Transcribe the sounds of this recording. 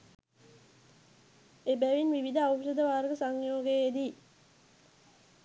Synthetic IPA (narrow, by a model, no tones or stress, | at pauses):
ebæʋinʋiʋid̪əawʂəd̪əʋaːɾəɡəsaŋjoːɡejed̪i